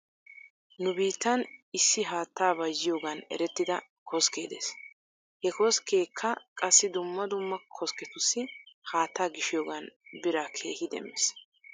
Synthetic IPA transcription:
nʊbiːt̪ːɐnɪsːɪɦaːt̪ːaːbɐzɪjoːɡɐnɛ̰ɾɛt̪ːɪd̪ɐkʰɔskeːd̪ḛːs | hɛkɔskeːkʰːɐkʼɐsːɪd̪ʊmːɐd̪ʊmːɐkʰɔskɛt̪ʊsːɪhaːt̪ːaːɡɪʃɪjoːɡɐnbɪɾakʰe̞ːhɪd̪ɛ̰mːɛs

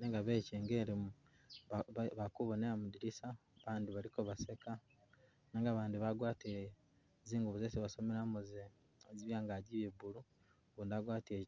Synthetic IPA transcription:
neŋɡaβeceːŋɡeɾemu | βakuβoneamudiɾisaβaːndiβaɾikoβaseka | neŋɡaβaːndiβaɡwaːte | ziːŋɡuβuzeseβasomeɾamuze | ziβjaːŋɡaɟiβeβuɾu | βuːndaɡwaːtie

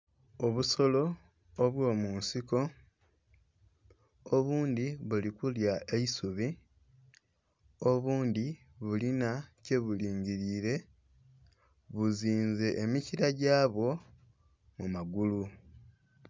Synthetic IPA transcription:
o̞βuso̞lo̞ː | βwo̞ːmuːnsiko̞ | oβuːnd̪iβulikuljae̞isuβi | o̞βuːnd̪i | βulinace̞βuliːɲɟiɾiːɾe̞ | βuziːnze̞ʔːmiciɾaɟaːβwo̞ | mumaɡulu

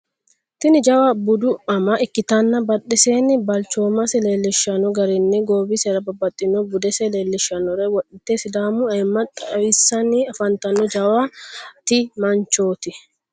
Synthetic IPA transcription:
t̪ɪnɪd͡ʒɐwabʊd̪ʊɐmɐʔɪkːɪt̪ɐnːɐbɐᶑːɛseːnɪbɐlt͡ʃoːmɐsɛleːlːɪʃɐnɔɡɐɾɛnːɛɡo̞ːbisɛɾɐbɐbɐt̪ʼːɪnɔbʊd̪ɛsɛleːlːɪʃːɐnɔɾɛwɔᶑɪt̪ːeːsɪd̪aːmʊɐɪmːɐt̪ʼɐwɪsːɐniɐfɐnt̪ɐnːɔd͡ʒɐwat̪ɪmɐnt͡ʃo̞ːt̪ɪ

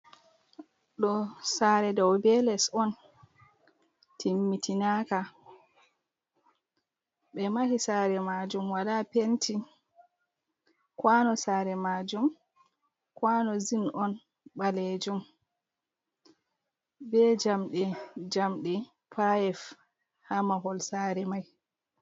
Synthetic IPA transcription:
ɗɔsaɾɛdɔwbɛlɛsɔn | timːitʰinaka | ɓɛmahisaːɾɛmad͡ʒumwaɗapentʰi | kwanɔsaːɾɛmad͡ʒum | kwanɔzinʔɔn | ɓaled͡ʒum | bɛd͡ʒamɗɛd͡ʒamɗɛ | pʰajɛf | hamaɦɔlsaɾɛmaj

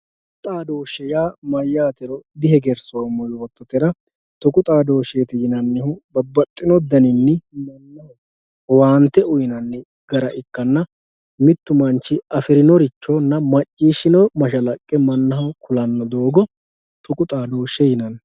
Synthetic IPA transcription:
t | kʊt̪ʼaːd̪o̞ːʃɛjaːmɐjːaːt̪ɛɾɔd̪ɪhɛɡɛɾsoːmːɔjwɔt̪ːɔt̪ɛɾɐ | t̪ɔkʼʊt̪ʼaːd̪o̞ːʃeːt̪ɪjɪnɐnːɪhʊbɐbːɐt̪ʼːɪnɔd̪ɐnɪnːɛmɐnːɐh | waːnt̪ːɛʊjɪnɐnːɪ | ɡ̥ɐɾɐʔɪkːɐnːɐ | mɪt̪ːʊmɐnt͡ʃːɪɐfɪɾɪnɔɾɪt͡ʃːoːnːɐmɐt͡ʃʼːiːʃɪnɔmɐʃɐlɐkʼːɛmɐnːɐɦɐwkʰʊlɐnːɔd̪o̞ːɡɔ | t̪ɔkʼʊt̪ʼaːd̪o̞ːʃɛjɪnɐn

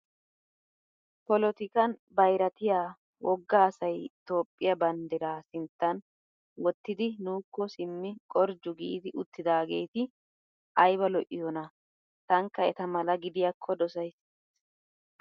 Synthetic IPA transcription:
pɔlɔt̪ɪkɐnbɐjɾɐt̪ɪjaː | wɔɡːaːsɐjt̪o̞ːpʼːɪjɐbɐnd̪ɛɾaːsɪnt̪ːɐn | wɔt̪ːɪd̪ɪnuːkːɔsɪmːɪkʼɔɾd͡ʒʊɡḭːd̪ɪʔʊt̪ːɪd̪aːɡe̞̰ːt̪ɪ | ʔɐjbɐlɔʔɪjɔnɐ | t̪ɐŋkːɐɛt̪ɐmɐlɐɡɪd̪ɪjɐkʰːɔd̪ɔsɐjs

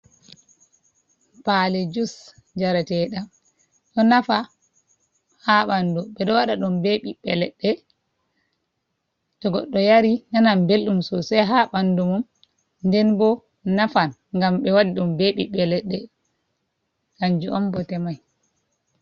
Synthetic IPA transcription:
palɛd͡ʒus | d͡ʒaɾatɛɗam | ɗɔnafa | haɓanduɓɛɗɔwaɗaɗumbeɓiɓɛlɛɗːɛ | tɔɡɔ̰ɗːɔjaɾinanambelɗumsɔsɛjɦaɓandumum | ndɛnbɔ | nafan | ŋɡamɓɛwaɗiɗumbeɓḭɓɛlɛɗːɛ | kaɲd͡ʒuʔɔmbɔtɛmaj

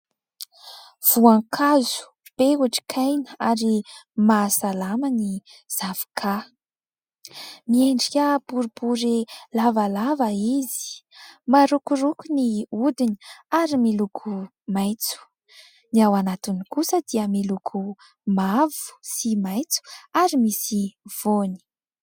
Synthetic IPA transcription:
v̥uaŋkʰazu̥ | b̥euaʈ͡ʂi̥kʰajnəaɾimasalaməniz̥avi̥kʰa | mieɳɖ͡ʐkʲəb̥uɾibuɾilavalavəizi̥maɾukuɾukuniud̪ini̥aɾimilukʰu | majt͡su̥ | niawanat̪unikusəd̪̥iəmilukʰu | mavu̥simajt͡su̥aɾimisiv̥oni̥

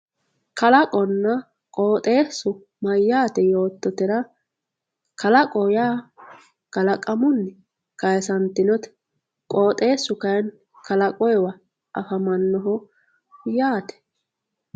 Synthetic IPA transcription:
kɐlɐkʼɔnːɐ | kʼoːt̪ʼe̞ːsːʊ | mɐjːaːt̪ɛjo̞ːt̪ːɔt̪ɪɾɐ | kʰɐlɐkʼɔjaː | ɡ̥ɐlɐkʼɐmʊnːɛ | kɐjsɐnt̪ːɪnɔt̪ɛ̥ | kʼoːt̪ʼe̞ːsːʊkɐjn | kʰɐlɐkʼɔjwɐ | ʔɐfɐmɐnːɔɦɔ | jaːt̪ɛ̥

